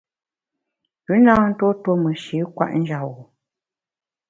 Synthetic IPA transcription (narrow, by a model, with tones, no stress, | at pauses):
pʉ˨˦na˦n̩˦to˦two˦mə˨ʃi˨˦kwa̰˦ʔn̩˦d͡ʒa˨wo˨